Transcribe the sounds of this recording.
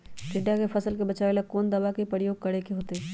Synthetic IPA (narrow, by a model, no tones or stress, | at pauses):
kɪɖjakepʰɐsəlkebɐt͡ʃaːʋelakɔːnd̪ɐbakepɾəjoːɡ̚kɐɽekeɦoːt̪e